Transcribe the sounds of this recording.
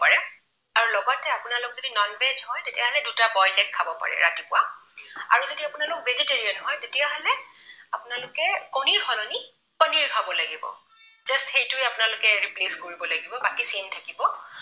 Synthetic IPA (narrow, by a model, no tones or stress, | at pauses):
aɹɛ | aɹulɔɡɔtɛapʊnalʊk̚zodinɔnbed͡ʒhɔjtetijaɦɔlɛdutabɔjnɛkʰːabɔpa̰ɹɛ̰ɹa̰tipʊaa̰ɹuzodiapʊnalʊkvʱezeteɹiɔnɦɔjtetijaɦɔlɛapʊnalʊkɛkɔniɹhɔlɔni | kɔniɹkʰabɔlaɡibɔ̰ | zastxejtʊjapʊnalʊkɛɹipleskoɹibɔlaɡibɔbakisentʰakibɔ